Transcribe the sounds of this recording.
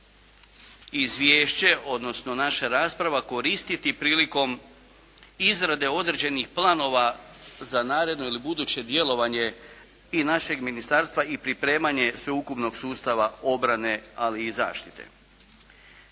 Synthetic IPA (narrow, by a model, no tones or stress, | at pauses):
izʋjeːʃt͡ɕe̞o̞d̪no̞sno̞naʃaɾaːspɾaʋako̞ɾist̪it̪ipɾiːliko̞m | izɾad̪e̞o̞d̪ɾed͡ʑe̞nixplˠano̞ʋazanaːɾe̞d̪no̞ilibud̪uːt͡ɕe̞d̪je̞lo̞ʋaɲe̞ | inaʃe̞ɡminist̪aɾst̪ʋaipɾipɾe̞ːmaɲe̞sʋe̞ukupno̞ɡ̥suːst̪aʋao̞bɾane̞aliːza̰ːʃt̪i̥t̪e̞̰